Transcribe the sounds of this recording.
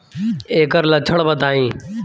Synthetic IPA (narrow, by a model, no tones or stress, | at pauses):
eːkəɾlət͡ʃʰəɳbəd̪aːĩː